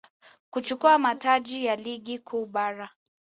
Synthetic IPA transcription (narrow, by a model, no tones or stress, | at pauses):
kut͡ʃukuamataʄijaliɠikʰuːɓaɾa